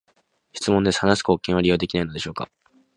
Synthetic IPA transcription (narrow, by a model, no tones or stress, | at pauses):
çi̥t͡sɨmõ̞nd̪e̞sɨ̥hanasi̥ko̞ːkẽ̞ɰ̃βaɾʲijo̞ːd̪ekʲinaino̞d̪e̞ɕo̞ːka̰